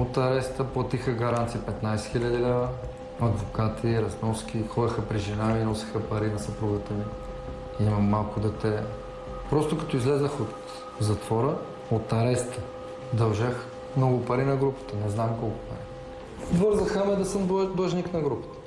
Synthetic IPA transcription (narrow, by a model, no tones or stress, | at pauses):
ot̪ɐɾɛst̪əplˠɐt̪ixəɡɐɾant̪sijəpɛt̪najsɛ̥xilʲɐd̪ilɛvə | ɐd̪vokat̪iɾɐznɔskʲixɔdɐxəpɾiʒinavinɔsi̥xəpɐɾinɐsɐpɾuvət̪əmi | imɐmːalˠkʊd̪ɛt̪ɛ | pɾɔst̪okɐ̥t̪ɔizlɛzəxot̪ | zɐt̪vɔɾə | ot̪ɐɾɛst̪ə | d̪ɐlʒɛx | mnɔɡʊpɐɾinɐɡɾupə̥t̪ənɛznamkɔlˠkʊ̥pɐɾi | vɤɾzəxəmɛd̪ɐsəmd̪ɔʒniknɐɡɾupə̥t̪ə̥